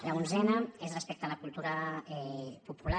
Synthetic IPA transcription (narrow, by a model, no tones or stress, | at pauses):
launzɛnəezrespɛk̚t̪əlakulˠt̪uɾəɛpupula